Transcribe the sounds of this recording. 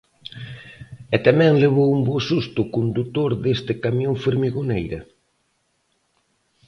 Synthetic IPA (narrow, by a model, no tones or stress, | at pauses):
ɛt̪amɛ̃ŋleβ̞owumbosust̪ʊkund̪ut̪oɾðest̪ɪkamjoŋfeɾmiɣonejɾɐ